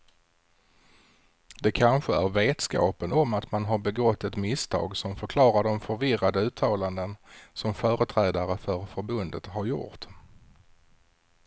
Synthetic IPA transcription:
d̪ɛkʰanɧəæɾveːt̪skɑ̰ːpənɔmːat̪manɦaɾbɛɡɔt̪ːɛt̪mɪst̪ʰɑ̰ːɡsɔmfœɾkʰlɑːɾaɖɔmfœɾvɪrad̪əʉ̟ːt̪ʰːɑːland̪ənsɔmfœːɾət̪ʰɾɛːd̪aɾəfœɾfœɾbɵnd̪ə̰t̪ɦaɾjʊ̰ʈ̪

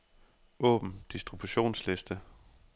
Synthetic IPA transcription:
ɔ̰̽ːb̥n̩d̥isd̥ʁib̥uɕo̝̰ːnslesd̥ə

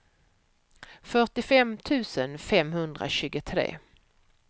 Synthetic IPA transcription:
fœʈɪfɛmt̪ʰʉ̟ːsənfɛmhɵnd̪ɾa̰ɕʉ̟ːɡət̪ʰɾḛː

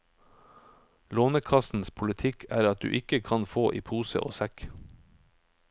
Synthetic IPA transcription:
loːnəkʰɑsn̩spʰʊlət̪ʰɪkʰæːɾɑt̪̚d̪ʉ̰ːʔɪkəkʰɑnfoːʔiːpʰuːsə̰ʔo̰ːsæk

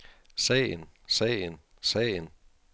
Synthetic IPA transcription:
sɛ̰ːənsɛ̰ːən | sɛ̰ɪən

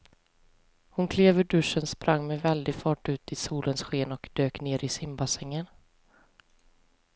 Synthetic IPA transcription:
hʊnkʰleːvəɖɵʂənspɾʔaŋːmɛvɛld̪ɪɡfɑːʈʉ̟ːt̪ɪsuːlʔənsɧeːnɔkd̪øːkneːɾʔɪsɪmbasɛŋːən

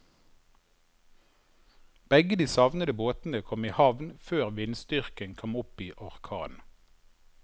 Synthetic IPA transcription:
b̥ɛɡəd̪iːsɑʋnəd̪əboːt̪n̩əkʰɔmiːhɑʋnføːʁʋɪnst̪ʏʁkənkʰɔmʊpiːʔɔʁkʰɑ̰ːn

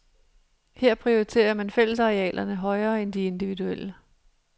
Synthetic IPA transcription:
heɐ̰pʰʁio̝ʁit͡sʰe̝̰ːɐmænfel̰əsɑ̈ʁiɛ̰ːlʔɐnəɦɒ̽ɪɐːend̥ie̝nd̥iʋiduel̰ə

